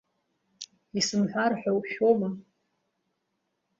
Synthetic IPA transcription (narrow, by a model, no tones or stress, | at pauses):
isɨmħʷᶣarħʷᶣawʃᶣoma